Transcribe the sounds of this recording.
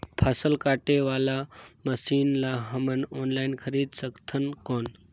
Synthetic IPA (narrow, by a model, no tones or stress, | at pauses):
pʰasəlkaːʈeʋaːlaməsiːnlaɦəmənoːnlaːinkʰəɾiːd̪səkt̪ʰənkoːn